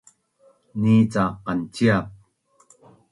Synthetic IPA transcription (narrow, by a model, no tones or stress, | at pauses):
nit͡saqant͡ɕiap̚